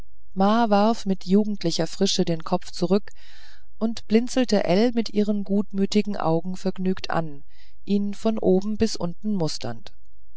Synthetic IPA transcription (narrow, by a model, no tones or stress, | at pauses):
maːvaɐfmɪtʰjuːɡŋ̩tʰlɪçɐfʁ̥ɪʃədeːnkʰɔp͡ft͡suʁʏk | ʔʊntb̥lɪnt͡sl̩təʔɛlmɪtʔiːʁənɡuːtmyːtɪɡŋ̩ʔa̰ʊɡŋ̩fɛɐɡnyːktʰʔa̰n | ʔiːnfɔnʔoːbm̩bɪsʔʊntn̩mʊstʰɐ̰nt